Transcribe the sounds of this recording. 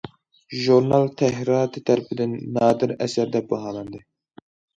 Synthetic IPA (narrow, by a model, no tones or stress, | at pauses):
ʒuɾnɑlˠt̪ʰɛɦɾɑːt̪ɨt̪ʰɛɾpɪd̪ɪnːɑːd̪ɨɾɛsæɾd̪ɛbɑɦɑːlˠɑnd̪ɨ